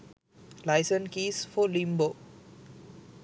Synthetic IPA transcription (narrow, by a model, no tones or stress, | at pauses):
laɪsə̃nkisfɔlĩmbo